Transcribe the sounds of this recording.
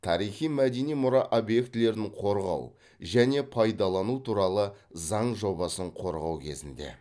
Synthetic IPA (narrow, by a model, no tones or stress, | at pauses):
t̪ʰɑɾijχijmæd̪e̞nijmʊɾɑʔobje̞kt̪ɪle̞ɾd̪ɪɴqʰo̞ɾʁɑ̰w | ʒæne̞pʰɑjd̪ɑlˠɑnut̪ʰuɾɑlˠəzɑɴʒo̞bɑsəɴqʰo̞ɾʁɑwkʲʰe̞̰zɪnd̪e̞̰